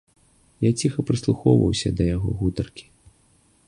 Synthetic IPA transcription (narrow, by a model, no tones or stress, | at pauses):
jat͡sʲixɐpɾɨslˠuxɔ̰wvɐ̰wsʲɐ̰d̪ɐjaɣɔ̰ɣut̪ɐrkʲi̥